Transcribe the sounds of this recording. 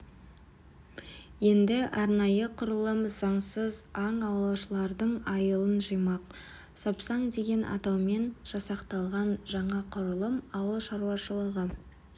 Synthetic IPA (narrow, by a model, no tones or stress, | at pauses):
je̞nd̪ɪʔɑɾnɑjəqʰʊɾəlˠəmzɑɴsəzɑɴɑwlˠɑwʃəlˠɑɾd̪əɴɑjəlˠənʒəjmɑq | sɑpsɑɴd̪e̞ɡʲe̞nʔɑ̰t̪ɑwme̞nʒ̥ɑsɑqt̪ɑlˠʁɑnʒɑɴɑqʰʊɾəlˠəmɑwəlˠʃɑɾuɑʃəlˠəʁə